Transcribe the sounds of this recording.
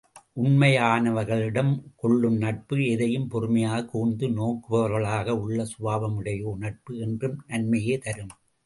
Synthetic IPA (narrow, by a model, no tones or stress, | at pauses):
ʔʊnmɐjaːnɐʋɐɾɣɐɭɪɽɐmkɔɭːɯmnɐʈ̚pɯɛðɐjɯmpɔrɯmɐjaːɣɐkuːnd̪ɯnoːkːɯʋɐʋɐɾɣɐɭaːɣɐʊɭːɐsʊʋaːʋɐmɯɽɐjoːnɐʈ̚pɯɛndrɯmnɐnmɐjeːt̪ɐɾɯm